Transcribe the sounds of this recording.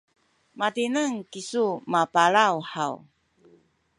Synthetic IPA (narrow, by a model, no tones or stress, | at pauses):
matinəŋkisumapaɭawħaw